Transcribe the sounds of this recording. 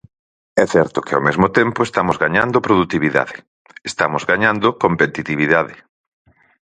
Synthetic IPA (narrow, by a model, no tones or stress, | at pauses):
ɛθɛɾt̪ʊkɪawmezmot̪empoest̪amozɣaɲand̪opɾoðut̪iβiða̰ðɪ | est̪amozɡaɲãnd̪okompet̪it̪iβiðaðɪ